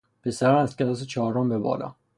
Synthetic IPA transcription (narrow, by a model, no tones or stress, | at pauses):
pʰesæɾæst̪̚cʰʲed̪ɒset͡ʃʰɒːɾɒmbebɒ̰ːlɒ̰ː